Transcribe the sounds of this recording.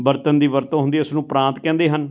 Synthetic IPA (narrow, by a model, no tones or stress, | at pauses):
bəɾt̪ənd̪iːʋəɾt̪õːɦʊ̃nd̪iːʊsnũːpɾãːnt̪kɛ̃ːnd̪eːɦən